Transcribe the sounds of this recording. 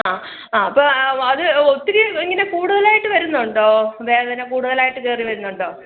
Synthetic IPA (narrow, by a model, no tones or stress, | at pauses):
aː | aːɐpːoːɐðɨot̪ːiɾiiŋːɐne̞kuːɽuðɐlaːjiʈːɨʋɐɾunːɐuɳɖoːʋeːɭet̪ɐnːekuːɽuðɐlaːjiʈːɨke̞ːriʋɐɾunːɐɳɖo̞ː